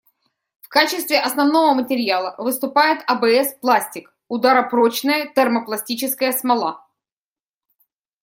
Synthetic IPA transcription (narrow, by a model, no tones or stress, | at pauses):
fkat͡ɕɪst̪vʲɪʔɐsnɐvn̪o̞vəmətʲɪɾʲɪjalˠəvɨst̪ʊpajɪt̪ɐbɛɛsplˠasʲtʲɪk | ʊd̪aɾəpɾot͡ɕnəjət̪ərməplˠɐsʲtʲit͡ɕɪskəjəsmɐlˠa